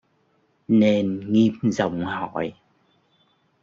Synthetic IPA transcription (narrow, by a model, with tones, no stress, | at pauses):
ne˧nŋi˧p̚zə̰˧˨wŋ͡mhɔ̰˧˨j